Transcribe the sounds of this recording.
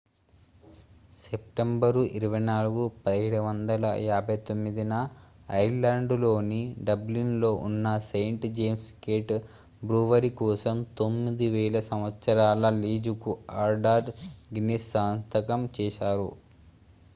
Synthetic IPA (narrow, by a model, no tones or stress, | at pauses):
sep̚ʈembɐɾuʔiɾuʋɐjnaːluɡupɐd̪ieɽuʋɐnd̪ɐlɐ̰jaːbɐjt̪omːid̪inɐːjɾlaːɳɖlo̞ːniɖɐblinlo̞ːʔunːɐsejɳʈd͡ʒeːmskeːʈ | bɾuːʋɐɾikɔːsɐmt̪omːid̪iʋɛːlɐsɐmʋɐt̪sɐɾaːlɐliːd͡ʒukuaɾɖaːɾɾɡinesaːnt̪ɐkɐmt͡ʃɛːʃaːɾṵ